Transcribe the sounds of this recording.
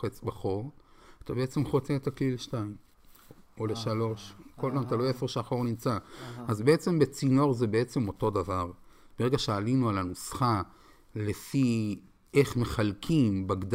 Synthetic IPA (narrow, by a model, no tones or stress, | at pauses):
et͡sbaχo̞ʁat̪abeet͡se̞mχo̞t͡set̪aklileʃtaim | oleʃalo̞ʃkolpamat̪aloefeʁʃeaχo̞ʁnimt͡saazbee̞t͡se̞mbet͡sino̞ʁzebeet͡se̞mo̞to̞d̪avaʁb̥eeɡaʃealinualanosχa | le̞fi | e̞χme̞χalkʰimbaɡd̪